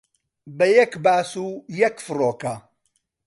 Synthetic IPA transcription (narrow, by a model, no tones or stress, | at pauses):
bɐjɐkbaːsujɐkfɨroːkɐ